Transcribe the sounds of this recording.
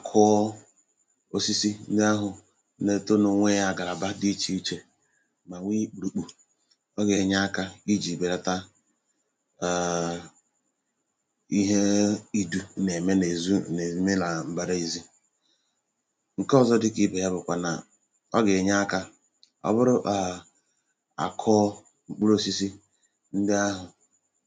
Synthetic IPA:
a˨kʰʊ˦ | o˦si˦si˦n̩˦dɪ˦a˦ɦʊ˨˦ | ne˨to˦no˨ŋʷe˦ja˦˨ɡa˨ɾa˨ba˦di˦t͡ʃi˦i˦t͡ʃe˦ | ma˨ŋʷi˦k͡pu˨ɾu˨k͡pu˨ | ɔ˦ɡe˨ɲa˦a˦ka˦i˦d͡ʒi˨be˨ɾa˨ta˦˨ | i˦ɦe˦i˦du˦ne˨me˦ne˨zu˦ne˨˦me˦na˨m̩˨ba˨da˦i˨zi˦ | ŋ̩˨kɔ˦zɔ˦dɪ˦ki˦be˨˦a˦bʊ˨kʷa˨na̰˨ | ɔ˦ɡe˨ɲa˦ka˦ | ɔ̰˦bʊ˦ɾʊ˦ʔa˨ | a̰˨kʰɔ˦ | ŋ͡m̩˦k͡pu˦ɾo˦si˦si˦ | n̩˦dɪ˦a˦ɦʊ˨

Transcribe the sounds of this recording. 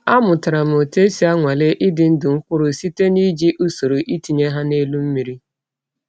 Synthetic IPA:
a˦mʊ˨ta˨ɾa˨m̩˨o˨te˦si˦a˦ŋʷa˨le˦ʔɪ˦dɪ˨n̩˦dʊ˨ŋ̩˦kʷʊ˦ɾʊ˨si˦te˦ni˦d͡ʒi˦ʔu˦so˨ɾo˨ʔi˦ti˨ɲe˦ɦa˦ne˦lu˦m̩˦mi˨ɾi˦

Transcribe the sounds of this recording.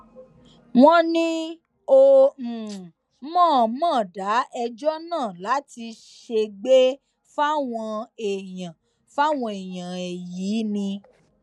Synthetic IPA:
w̃ɔ̃˦˧nĩ˦ | o˧m̩˨ | mɔ̃ː˦˨˦mãː˦˨da˨˦ɛ˧d͡ʒɔ˦nãː˦˨la˨˦ti˧ | ʃe˧ɡ͡be˦ | fa˦w̃ɔ̃˧e˨jã˨ | fa˦˨w̃ɔ̃˧e˨j̃ã˨ɛ˨jiː˨˦nĩ˧

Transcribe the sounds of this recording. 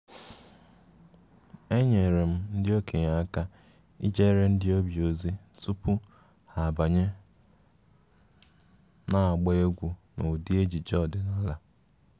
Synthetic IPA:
e˦ɲe˨ɾe˨m̩˦n̩˦dɪ˦o˦kʰe˨ɲa˨a˦ka˦ | ḭ˦d͡ʒe˦ɾe˦n̩˦dɪ˦o˦bi˨o˨zi˦tu˦pʊ˦ | ha˨ba˨ɲe˦ | na˨a˨ɡ͡ba˦e˦ɡʷu˨no˨di˦e˦d͡ʒi˨d͡ʒɔ˦˨dɪ˨na˦la˦

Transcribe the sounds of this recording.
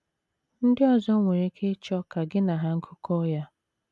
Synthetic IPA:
n̩˦dɪ˦ɔ˨zɔ˦ŋʷe˨ɾe˦kʰe˦t͡ʃɔ˦ka˨ɡɪ˦na˨ɦa˦ŋ̩˦kʰʊ˦kɔ˦ja˦

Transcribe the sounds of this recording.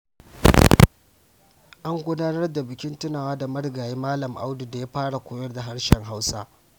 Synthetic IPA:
ʔa˦ŋɡʷʊ˦daː˦nɐ˦rda˨bɪ˨kʲɪ˦ntɪ˦naː˨waː˦da˨mɐ˦ɽɡaː˨jiː˦maː˦lɐ˨mʔa̰˦wdu˨da˨ja˦ɸaː˦ɽa˨kʷoː˨˦jɐ˦rda˨ɦa˦ɽʃɛ˨ŋɦa˦wsa̰ː˦

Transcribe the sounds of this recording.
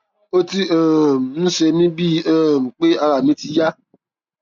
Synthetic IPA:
o˦ti˦ɛ˦˨m̩˨nũ˦se˧mĩ˦bi˦ɛ˦˨m̩˨k͡pe˦a˧ɾa˨mĩ˦ti˧ja˦

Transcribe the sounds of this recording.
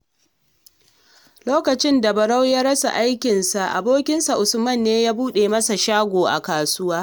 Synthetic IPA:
loː˦kɐ˨t͡ʃɪ˦nda˨bɐ˨ɽa˦wjaː˦ɽɐ˦sa̰˨ʔa˦jkʲɪ˨nsa˨ʔa̰˨boː˦kʲɪ˦nsa˨ʔʊ˨sʊ˦mɐ˦˨nːeː˦jaː˦buː˦ɗe˨mɐ˦sa˨ʃaː˦ɡʷoː˨ʔa̰˨kaː˨sʊ˦waː˦

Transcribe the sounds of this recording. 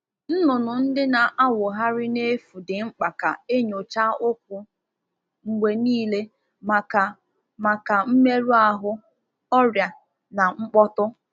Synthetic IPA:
n̩˦nʊ˨nʊ˨n̩˦dɪ˦na˨ʔa˦wʊ˨ɦa˦ɾɪ˦ne˦fu˨dɪ˨ŋ͡m̩˦k͡pa˨ka̰˨e˦ɲo˨t͡ʃa˦ʊ˦k̚ʷʊ˨ | ŋ͡m̩˨ɡ͡be˨niː˦le˦ | ma˨ka˨ | ma˨ka˨m̩˦me˦ɾu˦a˦ɦʊ˦ | ɔ˦ɾja˨ | na˨ŋ͡m̩˦k͡pɔ˦tʊ˦

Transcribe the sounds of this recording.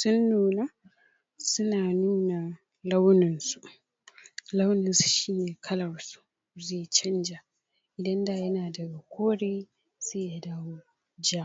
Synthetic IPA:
sʊ˦nːuː˨na˦ | sʊ˦naː˨nuː˦na˨ | la˦wnɪ˨nsu˨˦ʔ | la˦wnɪ˨nsu̥˨ʃiː˦neː˨kʰɐ˦lɐ˨rsu̥˦ʔ | zeː˦˨jt͡ʃɐ˦nd͡ʒa˨ | ʔɪ˨dɐ˦nda˨jɐ˦naː˨dɐ˨ɡa˨kʷoː˦ɽeː˦ | seː˦ja˨daː˦woː˦ | d͡ʒaː˦

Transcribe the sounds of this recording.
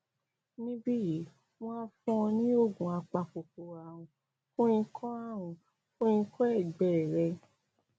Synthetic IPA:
nĩ˧˦bi˦˨˦ | w̃ɔ̃˦n˦fũ˧ɔ̃˧nĩ˦o˦˨ɡũ˨a˧k͡pa˧k͡po˨k͡po˨a˨wũ˨ | fũ˦ĩ˧kʰɔ̃˦a˦˨w̃ũ˨ | fũ˦ĩ˧kʰɔ˦ɛ˦˨ɡ͡bɛ˨ɾɛ˧

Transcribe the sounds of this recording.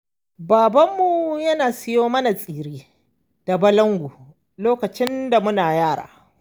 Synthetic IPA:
baː˨bɐ˦mːu˨jɐ˦naː˨sɪ˦joː˦mɐ˦na˨sʼiː˨ɾiː˦ | d̥a˨bɐ˦lɐ˦ŋɡʷu˨ | loː˦kɐ˨t͡ʃɪ˦nda˨mʊ˦naː˨jaː˦˨ɽa̰ː˨

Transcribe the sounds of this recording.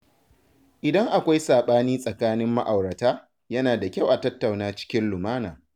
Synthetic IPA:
ʔɪ˨dɐ˦ŋʔa˨kʷa˦jsaː˨ɓaː˦niː˦sʼɐ˨kaː˦nɪ˦mːa˦ʔa˨wɽɐ˨taː˦ | jɐ˦naː˨da˨kʲa˦˨wʔa˨tɐ˦tːa˨wnaː˦t͡ʃɪ̥˦kʲɪ˦nlʊ˨maː˦naː˨

